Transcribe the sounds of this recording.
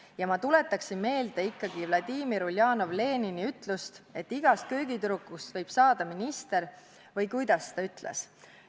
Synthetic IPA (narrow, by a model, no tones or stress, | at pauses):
jɑmɑt̪ule̞t̪ːˑɑksinme̞ːld̪̥eikːɑɡ̥ivlɑd̪̥iːmiɾuljɑːno̞vle̞ːniniyt̪ˑlust̪e̞t̪ːiɡ̥ɑst̪̚køːɡ̥it̪uɾukːˑust̪vɤ̞jb̥sɑːd̪̥ɑminist̪e̞ɾ | vɤjkujd̪̥ɑst̪ɑyt̪ˑlḛs